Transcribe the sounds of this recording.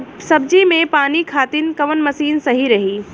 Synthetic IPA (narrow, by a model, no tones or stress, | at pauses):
sɐb̚d͡ʒimẽpaːnikʰaːt̪ɪnkɐʋənmɐsiːnsɐɦiɾɐɦiː